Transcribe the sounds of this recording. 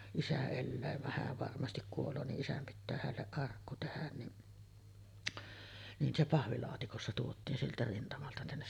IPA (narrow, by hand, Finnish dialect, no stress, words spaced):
isæ elːæː ʋɑh hæːʋ ʋɑrmɑstik kuolˑoː niʔ ʔisæm pitːæː hælːeʔ ʔɑrkːu tehæn niʔ nin se pɑhʋilɑːtikosːɑ tuotˑiːn sieltæ rintɑmɑltɑ tænːes